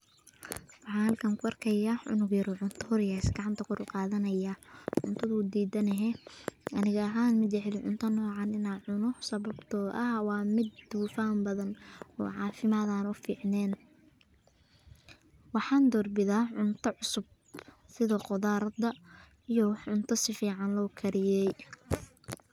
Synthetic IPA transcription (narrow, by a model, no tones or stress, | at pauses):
wɑħɑːlkʰaːŋkʰʊɐrkʰɐjaʕʊ̰nʊɡjɐɾɔːʕʊnt̪ʰɐhɔɾjaɪsɡɑʕɑnt̪ʰɐkʰʊɾʊqɑːðɐnɐjaʕʊnt̪ʰɐðʊd̪iːd̪ɐnɛɦɛʔɐnɪɣɐɐɦaːnmɪd̪jɛħɪlɪʕʊnt̪ʰɐnɔːʕɑnɪnaːʕʊnɔhsɐβɐbt̪ʰɔːʔɐhwɑːmɪd̪d̪uːfaːmbɐðɐnɔ̰ːʕɑ̰ːfɪmaːðaːnʊfiːʕnɛːn | wɑħɑːnd̪ɔrbɪðaːʕʊnt̪ʰɐʕʊsʊb̚ | sɪðɐqɔðaːɾɐd̪ɐ | ijɔwħʕʊnt̪ʰɐsɪfiːʕɑnlɔːkʰɐɾɪjɛj